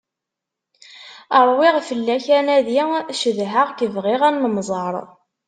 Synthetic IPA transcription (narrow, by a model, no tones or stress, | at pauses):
əɾˤwɪʁfəlːæçænæðiʃəðɦaʁkəvʁɪʁænːəmzˤɑɾˤ